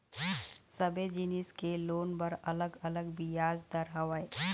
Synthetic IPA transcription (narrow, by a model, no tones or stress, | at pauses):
səbed͡ʒinɪskeloːnbəɾɐləɡələɡbijaːd͡ʒd̪əɾaʋəe